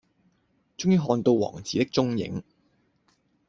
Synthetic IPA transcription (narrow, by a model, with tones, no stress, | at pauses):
t͡ʃʊ˥ŋjiː˧ɦɔː˧nt̪o˧wwɔ̰ː˨˩ŋt͡sʰiː˨t̪ɪ˥k̚t͡ʃʊ˥ŋjɪ̰˨˥ŋ